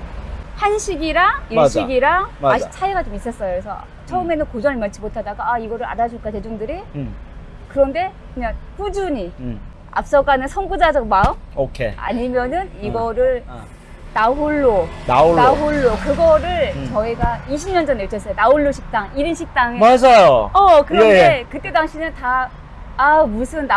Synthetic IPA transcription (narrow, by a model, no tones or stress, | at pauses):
hanɕʰiɡiɾaɕiɡiɾaaɕit͡ɕʰaiɡat͡ɕomis͈ʌs͈ʌjoesʰʌ̰ | t͡ɕʰʌɯme̞nɯnkod͡ʑʌnɯɭmant͡ɕʰimotʰadaɡaːiɡʌɾɯɭa̰ɾad͡ʑuɭk͈ate̞d͡ʑuŋdɯɾi | kɯɾʌnde̞kɯɲaŋpud͡ʑuɲi | a̰p̚s͈ʌɡanɯnsʰʌŋɡud͡ʑad͡ʑʌɡmaɯokʰḛa̰ɲimjʌnɯniɡʌɾɯɭ | naɦuɭːonaunaɦuɭːokɯɡʌɾɯɭt͡ɕʌiɡaiɕʰimɲʌnd͡ʑʌnet͡ɕʰʌs͈ʌjonauɭːoɕʰik̚t͈aŋiɾinɕʰik̚t͈aŋemad͡ʑajoʌkɯɾʌnde̞kɯt͈e̞daŋɕʰinɯntaː | musʰɯnːa